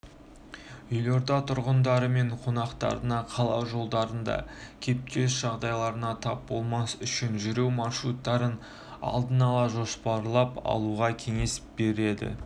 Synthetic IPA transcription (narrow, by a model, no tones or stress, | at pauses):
jʏjlo̞ɾd̪ɑt̪ʰʊɾʁənd̪ɑɾəme̞ɴqʰo̞nɑqt̪ɑ̰ɾənɑqʰɑlˠɑwʒo̞lˠd̪ɑɾənd̪ɑ̰kʲʰe̞p̚t̪ʲe̞s̬ʒ̥ɑʁd̪ɑjlˠɑɾənɑt̪ʰɑp̚bo̞lˠmɑsʏʃɪnʒʏɾe̞wmɑrʃɾut̪ːɑɾən | ɑ̰lˠd̪ənɑlˠɑʒo̞spɑɾlˠɑpɑ̰lˠuʁɑkʲʰe̞ŋe̞sbe̞ɾe̞d̪ɪ̰